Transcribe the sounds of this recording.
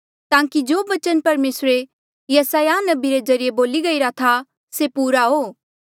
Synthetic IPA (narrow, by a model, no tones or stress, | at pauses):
t̪ãːkid͡ʒoːʋɐt͡ʃənpɐɾmeːsɾe | jɐsaːjanɐbiɾezɐɾijeboːliɡɐiɾat̪ʰa | sepuːɾaɦoː